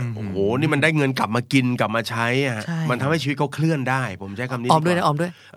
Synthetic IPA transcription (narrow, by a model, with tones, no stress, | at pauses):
ʔo˧˨˩hoː˨˩ni˥˩ma˧ndaː˥˩jŋɤ˧nkla˨˩p̚maː˧ki˧nkla˨˩p̚maː˧t͡ɕʰa˦˥jat͡ɕma˧nt̪ʰa˧ma˥˩t͡ɕʰiː˧˦kʰːkʰlɯ˥˩əndaː˥˩jpʰo˩˦mt͡ɕʰa˦˥jkʰa˧mt̪ʰiː˧ɔː˧˥˧mdu˥˩˨na˦˥ʔɔː˧mndu˥˩əj